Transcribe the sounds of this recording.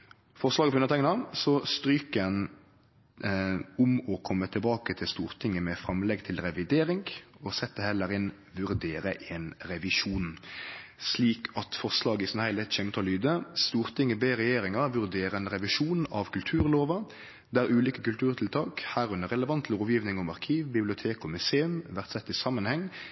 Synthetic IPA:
fɔʁslɑːɡəfɔʁʉnət̪ʰɛŋnɑsɔst̪ɾyːkəən | ʊmɔkʰɔmːət̪ʰɪlbɑːkət̪ʰɪlst̪uːʁt̪ʰɪŋːəmɛfɾɑmlɛɡt̪ʰɪlɾɛʋɪd̪eːɾɪŋɡɔsɛt̪ːəhɛlːəɾɪn | ʋʉɾd̪eːɾəʔɛːnɾɛʋɪʂuːn | sliːkʰɑt̪fɔʁslɑːɡəɪsɔnhæɪlɛt̪çɛmt̪ʰɔlyːd̪əst̪uːɾt̪ʰɪŋːəbeːɾɛjeːɾɪŋɑʁʋʉɾd̪eːɾəɛnɾɛʋɪʂuːnɑʋkʰʉlt̪ʰʉːɾloːʋə | d̪ɛæːɾʉːliːkəkʉlt̪ʰʉːɾt̪ʰɪlt̪ʰɑːkhæːɾʉnəɾɛləʋɑnt̪ʰlːɔːʋjiːʋnɪŋɔmɑʁkʰiːʋbɪblɪʊt̪ʰeːkɔmʉseːʉmʋæʁt̪sɛt̪ːɪsɑmːənhɛŋː

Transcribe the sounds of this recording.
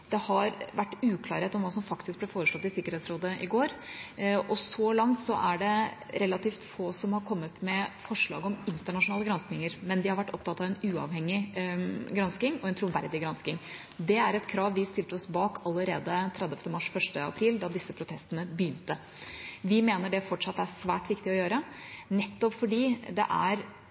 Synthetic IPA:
d̪ɛhɑɾʋæʈːʉːkʰlɑːɾheːt̪ɔmʋɑːsɔmfɑkt̪ɪsk̚blɛfoːɾəʂlɔt̪ːɪsɪkːəɾɛːt̪sɾoːd̪əʔɪɡoːɾ | ɔsɔlɑŋt̪sɔʔæɖɛɾɛlɑt̪iːft̪foːsɔmhɑɾkʰɔmːət̪mɛfɔʂɭɑ̰ːɡəɔmɪnt̪əɳɑʂʊnɑːləɡɾɑnsknɪŋəɾmɛnd̪ɪhɑɾʋæʈːɔ̰p̚t̪ɑt̪ːɑʋɛnʉːɑ̰ʋhɛŋːɪ | ɡɾɑnskɪŋɔɛnt̪ʰɾʊʋæɾd̪ɪɡɾɑnskɪŋ | d̪ɛæɾɛt̪kʰɾɑːʋʋɪst̪ɪlt̪əɔsbɑːkɑlːəɾeːd̪ət̪ʰɾɛd̪ɛft̪əmɑʂfœʂʈəɑ̰pʰɾiːld̪ɑd̪ɪsːəpʰɾʊt̪ʰɛst̪ənəbjʏːnt̪ə | ʋɪmeːnəɖɛfɔʈʂɑt̪ːæsʋæːʈʋɪkt̪ɪɔjøːɾənɛt̪ːɔpfɔɖiːd̪ɛ̰ʔæ̰ɾ

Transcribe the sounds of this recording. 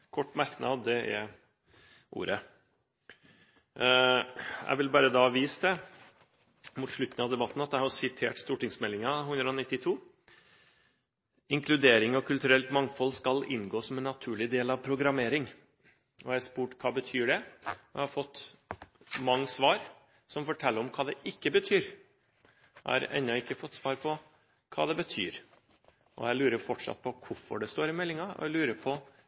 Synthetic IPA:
kʰɔʈːmæɾknɑd̪ɛɛ̰ɾ | ʔṵːɾə | æ̰ɪʋɪlbɑːɾəd̪ɑːʋiːsd̪ɛ | mut̪ʂɭʉt̪n̩ɑʋd̪ɛbɑt̪ːn̩ɑt̪d̪ɛæɪhɑsɪt̪ʰḛːʈst̪uːʈɪŋsmɛlːɪŋɑhʉnd̪ɾəɔnɪt̪ːɪt̪ʰuː | ɪŋkʰlʉd̪eːɾɪŋɔkʰʉlt̪ʉɾɛlt̪mɑŋːfɔlːskɑlɪnɡoːsɔmɛnːɑt̪ʰʉːɭɪd̪eːlɑʋpʰɾʊɡɾɑmeːɾɪŋ | ʔɔæʂpuːʈkʰɑːbət̪ʰyːɖɛɛ̰hɑɾfɔt̪ː | mɑŋːəsʋɑːɾ | sɔmfɔʈʰɛlːəɾɔmkʰɑːd̪ɛʔɪkːəbət̪ʰyːɾ | jæ̰hɑ̰ɾɛ̰nɔɪkːəfɔt̪ːsʋɑːɾpʰɔ | kʰɑ̰ːd̪ɛbət̪ʰy̰ːɾ | ʔɔ̰jæɪlʉːɾəɾfɔʈʂɑ̰t̪̚pʰɔkʰʊɾfɔ̰ɖɛst̪oːɾɪmɛlːɪŋɑɔ̰ɛlʉːɾəɾpʰɔ

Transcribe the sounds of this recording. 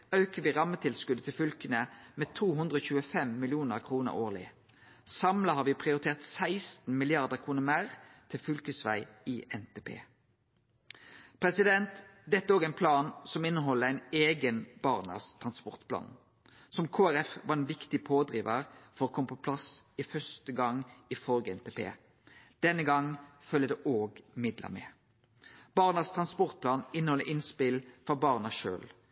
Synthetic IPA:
ɑʉkəʋiːʁɑmːət̪ʰɪlskʉd̪ət̪ʰɪlfʏlkənəmeːt̪ʰuːɦʉnd̪ʁəoːçʉːəfɛmːɪlɪuːnəʁkʰʁuːnə̰ʁo̰ːʁlɪ̰ | sɑmlɑhɑːʁʋiːpʰʁɪʊʁɪt̪ʰeːʁt̪sæɪst̪n̩mɪlɪɑʁd̪əʁkʰʁuːnəmæʁt̪ʰɪlfʏlkəsʋæ̰ɪiːʔɛnt̪ʰeːpʰḛː | pʰʁɛsɪd̪ɛnt̪d̪ɛt̪ːəæoːɡæɪnpʰlɑːnsɔmɪnːəɦɔlːəæɪneːɡənb̥ɑʁnə̰st̪ʰʁɑnspɔʁt̪pʰlɑ̰ːn | sɔmkʰoːæɾɛfʋɑɛnʋɪkt̪ɪpʰoːd̪ʁiːʋəʁfɔɾɔːkʰɔmːəpʰɔpʰlɑsɪfœst̪əɡɑŋɪfɔlɡəɛnt̪ʰeːpʰḛː | d̪̥ɛnːəɡɑŋfœlːəd̪ɛʔoːɡmɪd̪lʔə̰mɛ̰ː | b̥ɑʁnəst̪ʰʁɑnspɔʁt̪̚plɑːnɪnəhɔləʔɪnspɪlfɔʁbɑːʁnəʃø̰ːl

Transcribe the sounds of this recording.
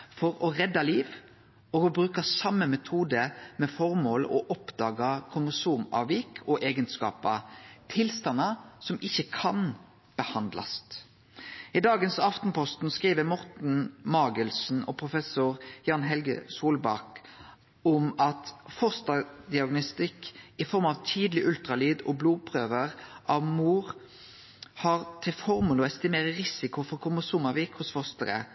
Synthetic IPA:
fɔɾɔʁɛd̪ːɑliːʋ | ɔɡɔbɾʉːkəsɑmːəmɛt̪ʰuːd̪əmɛfɔʁmoːlʔɔʔɔpd̪ɑːɡɑkʰʊməsuːmɑ̰ːʋikʰɔʔeːɡənskɑ̰ːpɑt̪ʰɪlst̪ɑnːɑsɔmɪçːəkʰɑn | b̥əhɑnd̪lɑ̰st̪ | ɪd̪ɑːɡənsɑft̪n̩pʰɔst̪n̩skʁiːʋəmɔʁt̪n̩mɑːɡəlsn̩ɔ̰pʰʁʊfɛsʊʁjɑːnɦɛlɡə̰suːlbɑ̰ʁk | ɔmɑt̪fɔst̪ɑd̪ɪɑɡnʊst̪ɪkɪfɔɾmɑʋt̪ʰiːd̪lɪʔʉlt̪ɾɑlyːd̪ɔbluːpʰɾøːʋəʁʔɑʋmuːʁ | hɑʁt̪ʰɪlfɔʁmʉləɔɛst̪ɪmeːɾəʁɪsɪkʊfɔkʰʊməsʊmɑʋiːkhʊsfɔst̪əɾə̰

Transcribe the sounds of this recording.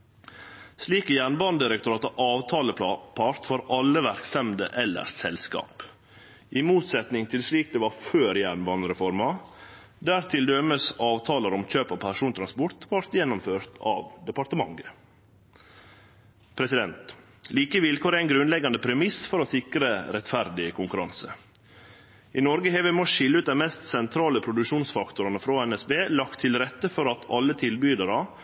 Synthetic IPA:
sliːkəjæɳbɑnd̪ɪɾɛkt̪ʊɾɑːt̪ɑʔɑːʋt̪ʰɑːləpʰɑɾt̪fɔɾɑləʋæɾksɛmd̪ə̰ʔɛlːə̰ɾsɛlskɑ̰ːp | ʔɪmuːt̪sɛt̪nɪŋt̪ʰɪlsliːk̚d̪eːʋɑɾføːɾjæɳbɑnɾɛfɔɾmɑ | d̪æːɾt̪ʰɪld̪øməsɑːʋt̪ʰɑːləɾɔmc͡çøːpopʰæʂuːnt̪ʰɾɑnspɔɾt̪ʋɑɾt̪jɛnːɔmføːɾt̪ʰɑ̰ːʋd̪ɛpɑɾt̪əmɑ̰ŋɡə | pʰɾɛsɪd̪ɛnt̪ | liːkəʋɪlkʰoːɾæɪnɡɾʉnlɛɡɑnd̪əpʰɾɛmɪsfɔɾoːsɪkɾəɾɛt̪fæɾd̪ɪkʰʊŋkʉɾɑnsə | inɔɾɡəɦeːʋɛmoːʃɪləʉːt̪̚d̪ɛnmɛst̪sɛnt̪ʰɾɑːləpʰɾʊd̪ʉkʃuːnsfɑkt̪ʊɾɑnəfɾoːɛnɛsbeːlɑkt̪ʰːɪlɾɛt̪ːəfɔɾɑt̪ʰɑ̰lːət̪ʰɪlbyːd̪əɾɑ

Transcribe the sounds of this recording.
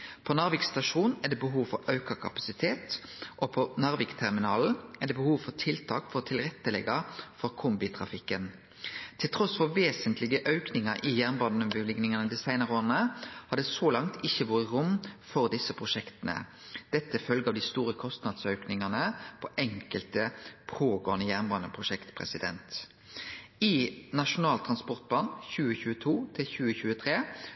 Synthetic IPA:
pʰɔnɑʁʋɪkst̪ɑʂuːnnɛd̪ɛbəɦuːʋfɔɾɑʉkɑkʰɑpɑ̥sɪt̪ʰeːt̪ʔɔpʰɔnɑʁʋɪkt̪ʰæʁmɪnɑːl̩ɛd̪ɛːbəhuːʋfɔt̪ʰɪlt̪ʰɑ̰ːkfɔʁɔt̪ʰɪlɾɛt̪ːəlɛ̰ɡɑfɔʁkʰʊmbɪt̪ʰʁɑ̰fɪkːən | t̪ʰɪlt̪ʰɾɔsfɔʁʋeːsənt̪lɪɡəʔœʉknɪŋɑɾʔɪjæʁnbɑnnmʋʉlɪɡnɪŋɑnəd̪isæɪnəʁəoːʁnəhɑd̪ɛːsoːlɑŋt̪ʰɪçːəʋɔːʁəʁʊmːfɔʁd̪ɪsːəpʰʁʊʂɛkt̪ənə̰ | d̪̥ɛt̪ːəfœlɡəɑʋd̪ɪst̪uːɾəkʰɔst̪nɑd̪sœʉknɪŋɑnəpʰɔʔɛŋkəlt̪əpʰoːɡoːənəjæʁnbɑːnəpʰʁʊʃɛkt̪pʰʁɛ̰sɪd̪ɛ̰nt̪ | ɪnɑʂʊnɑːlt̪ʰɾɑnspɔʁt̪̚bɑːnçʉːəçʉːət̪ʰuːt̪ʰɪlçʉːəçʉːət̪ʰʁeː

